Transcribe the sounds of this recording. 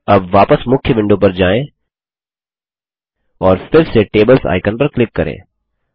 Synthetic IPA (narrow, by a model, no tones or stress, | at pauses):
ɐbʋaːpəsmʊkʰjəʋɪ̃ɳɖopɐɾd͡ʒaːẽ | ɔːɾfɪɾseʈeːbəlsa̰ːɪkənpɐɾklɪkːɐɾḛ̃ː